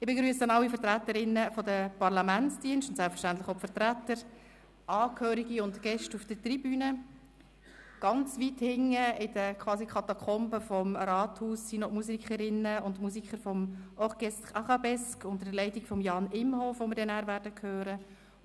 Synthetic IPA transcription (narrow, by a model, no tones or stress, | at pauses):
ɪbeɡɾyːəsɑnɑlːifəɾtɾæt̪ːəɾɪnːəfɔdəpɑɾlɑmænt͡sd̥iənstʊntsælpfə̥ʃtæntlɪχɔbfəɾtɾætːəɾ | ɑːkhøːɾiɡiʊntɡ̥ɛʃtufd̥ətribyːnə | ɡ̥ɑnt͡sʋithɪŋəɪd̥əkʰʋɑːsikʰɑt̪ɑkʰɔmbəfɔmrɑːthuːssinɔmusikχəɾɪnːəʊntmus̬ikχəɾfɔmʔɔχɡ̥ɛstkɑχɑbɛskʊntəɾdəlɛɪtikfɔmjɑːnɪmhoːfʋomɪɾdɛnæːɾvæːɾd̥əkʰhøːɾə